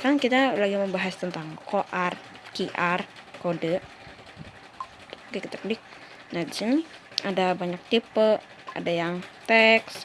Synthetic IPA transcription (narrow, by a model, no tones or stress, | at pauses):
kaɾankit̪alaɡiməmbaɦast̪ənt̪aŋkoʔarkiʔarkodəʔ | ɡəkt̪ək̚nɪk̚ | nahdisini | adabaɲak̚t̪ipə | a̰dajaŋt̪ɛks